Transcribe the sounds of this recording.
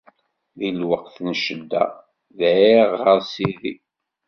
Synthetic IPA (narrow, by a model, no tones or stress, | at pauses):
ðilwəqθnʃəd̪ːæ̰ | ðiʁːəɾsiðḭ